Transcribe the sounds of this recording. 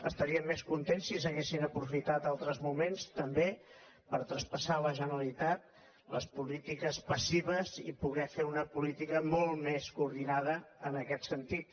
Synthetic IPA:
ə̰st̪əɾiəmːeskunt̪ensːis̬əɣesinəpɾufit̪at̪alˠt̪ɾəzmumenst̪əmbe | pəɾt̪ɾəspəsaləʒənəlit̪at̪̚ | ləspulit̪ikəspəsiβəzipuɣɛfeunəpulit̪ikəmolˠmeskuuɾðinaðəənəkɛt̪sənt̪it̪

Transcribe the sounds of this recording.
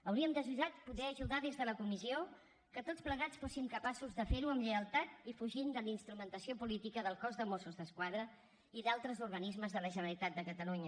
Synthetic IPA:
əwɾiəmd̪əʒuðat̪̚puðɛəʒuðaðezðələkumizio | kət̪ot͡spləɣ̞at͡sfosimkəpasuzðəfeɾuəmʎəəlˠt̪at̪ifuʒind̪əlinst̪ɾumənt̪əsiopulit̪ikəðəlˠkɔzðəmosuzðəskwaðɾə | iðalˠt̪ɾəzuɾɣənizməzðələʒənəlit̪at̪̚d̪əkət̪əluɲə

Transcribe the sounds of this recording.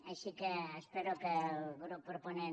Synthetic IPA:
asikeːspeɾokepɾopɾopone

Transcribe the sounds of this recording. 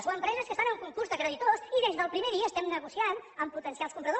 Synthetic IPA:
zwəmpɾɛzəskəst̪anəŋkuŋkuɾzðəkɾəðit̪osiðezðəlˠpɾimeðiəːst̪ɛmnəɣusianəmput̪ənsialˠskumpɾəðo

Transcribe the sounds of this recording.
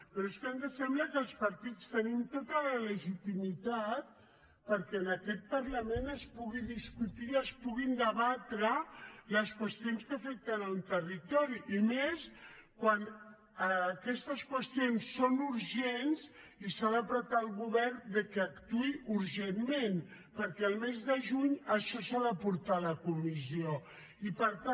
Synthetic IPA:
pəɾoeskand̪əsɛmbləkəːlˠspɐɾt̪it͡st̪ənimt̪ot̪ələləʒit̪imit̪at̪̚ | pəɾkɛənəkɛt̪̚pəɾləmenəspuɣiðiskut̪iəspuɣind̪əβat̪ɾələskwəst̪ijonskəfɛk̚t̪ənawnt̪ərit̪ɔɾiʔːmeskwan | əːkɛst̪əskwəst̪ionsːonuɾʒenzisaðəpɾət̪aːlˠɣuβɛrd̪əkɛːkt̪uiʔuɾʒemmen | pəɾkɛəlˠmezðəʒuɲəʃɔsaðəpuɾt̪aləkumizio | ipəɾt̪a

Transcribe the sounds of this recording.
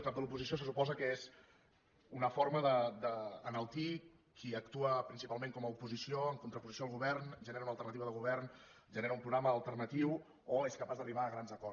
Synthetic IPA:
kap̚d̪əlupuzisijos̬əsupɔzəkəez | unəfoɾməðəd̪əːnəlˠt̪i | kʰiəkt̪uəpɾinsipalˠmẽŋkɔməupuzisioəŋkunt̪ɾəpuzisjoəlˠɣ̞uβɛɾnʒəneɾunəlˠt̪əɾrnət̪iβəðəɣuβ̞ɛrn | ʒəneɾəumpɾuɣɾaməːlˠt̪əɾnət̪iw | oeskəpazd̪əriβaːɣɾanzəkɔ

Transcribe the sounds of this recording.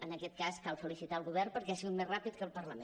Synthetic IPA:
ənəkɛt̪̚kaskalˠfəlisit̪aəlˠɣuβ̞ɛrpəɾkɛasiɣut̪mezrapit̪̚kəlˠpərləmẽ

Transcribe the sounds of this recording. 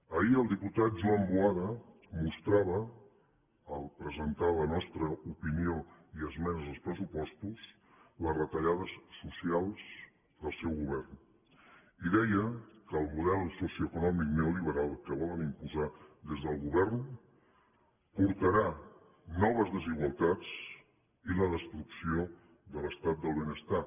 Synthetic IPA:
əiəlˠd̪iput̪at̪̚d͡ʒuambuaðə | must̪ɾaβə | lˠpɾəzənt̪alənɔst̪ɾəupinioiəzmɛzzəlˠspɾəsupɔst̪us | ləzrət̪əʎaðəsːusialˠz̥ | d̪əlˠsɛwɣuβɛrn | iðɛjəkəːlˠmuðɛlsusjiuəkunɔmik̚nɛuliβəɾalˠkəβ̞ɔlənimpuzaðezðəlˠɣuβɛrn | puɾt̪əɾa | nɔβ̞əzðəziɣwəlˠt̪at͡s | iləðəst̪ɾuksio | ðələst̪at̪̚d̪əlˠβenəst̪a

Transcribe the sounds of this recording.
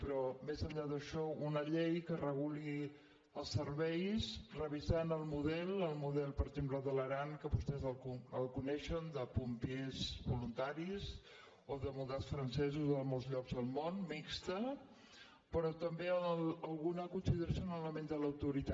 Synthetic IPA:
pəɾɔmezəɲʎaðəʃɔunəʎejkərəɣuli | əlˠsəɾβɛjsrəβizanəlˠmuðɛlˠəlˠmuðɛlˠpəɾəɡzempləðələɾaŋkəβust̪ɛzəlˠkuəlˠkunɛʃənd̪əpumpiezβulunt̪aɾiz | oðəmulˠd̪asfɾənsɛzuzðəmɔlˠzʎɔɡzðəlˠmonmikst̪ə | pəɾɔt̪əmbeələlˠɣunakunsiðəɾəsjunaləmẽnd̪ələwt̪uɾit̪a

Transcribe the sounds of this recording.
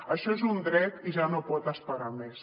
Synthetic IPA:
əʃɔezund̪ɾɛt̪iʒanopɔt̪əspəɾames

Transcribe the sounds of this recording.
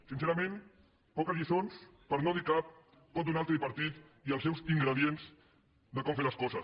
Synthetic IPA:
sinseɾəmẽn | pɔkəzʎisons | pəɾnoðikap̚ | t̪ot̪unalˠt̪ɾəðiβəɾt̪it̪ | iəlˠs̬ɛwziŋɡɾəðienz | d̪əkɔmfeləskɔzə

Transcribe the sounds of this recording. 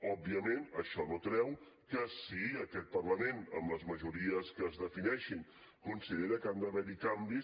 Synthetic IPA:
ɔb̚biəmenəʃɔnot̪ɾɛw | kəsiəkɛt̪̚pərləmenə̰mləzməʒuɾiəskəːzðəfinɛʃin | kunsiðeɾəkand̪əβɛɾikambi

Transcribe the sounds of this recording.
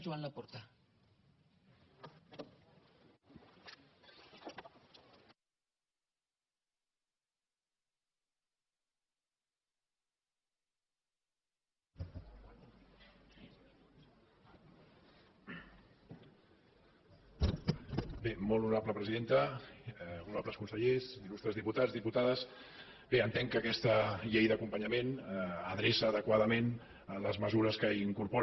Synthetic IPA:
ʒuanlapoɾt̪a | bemolunapləpɾəziðent̪ə | unapləskunsəʎezilust̪ɾəzðiput̪azðiput̪aðəs | beənt̪ɛŋkəːkɛst̪əʎejðəkumpəɲəmenəðɾesəːðəkwaðəmen | ələzməzuɾəskəiŋkuɾpo

